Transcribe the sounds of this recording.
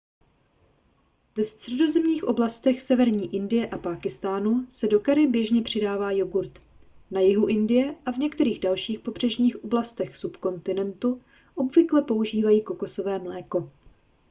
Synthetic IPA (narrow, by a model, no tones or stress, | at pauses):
vɛst̪r̥ɛdo̞zɛmɲiːxʔo̞blast̪ɛxsɛvɛɾɲiːʔɪndɪjɛʔapaːkɪst̪aːnusɛdo̞kaɾɪbjɛʒɲɛpr̝̥ɪdaːvaːjoɡuɾt̪ | najɪɦuʔɪndɪjɛʔavɲɛkt̪ɛɾiːɣdalʃiːxpo̞br̝̥ɛʒɲiːxʔo̞blast̪ɛxsupko̞nt̪ɪnɛnt̪u | ʔo̞bvɪklɛpo̞uʒiːvajiːko̞ko̞so̞vɛːmlɛːko̞